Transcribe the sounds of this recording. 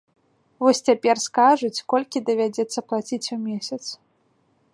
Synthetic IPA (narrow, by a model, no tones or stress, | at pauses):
vɔsʲt͡sʲapʲɛrskaʐut͡sʲkɔlʲkʲid̪ɐvʲad͡zʲɛt̪sːɐplˠat͡sʲit͡sʲumʲesʲɐt̪s